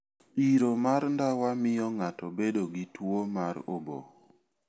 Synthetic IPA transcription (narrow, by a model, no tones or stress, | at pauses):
iɾomaɾndawamɪjɔŋatɔbedoɡitwomaɾo̰bo̰